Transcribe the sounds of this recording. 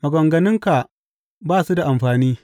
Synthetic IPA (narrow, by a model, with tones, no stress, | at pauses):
mɐ˨ɡɐ˨ŋɡɐ˨nɪ˦ŋka˨ | baː˦˨su˦da˨ʔa˨mɸaː˨niː˦